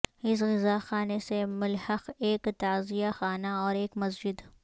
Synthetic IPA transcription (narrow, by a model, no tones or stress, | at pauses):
ɪs̬ɣɪzaːxaːnesemʊlhɐqeːkt̪aːzijaxaːnaɔːɾeːkmɐsd͡ʒɪd̪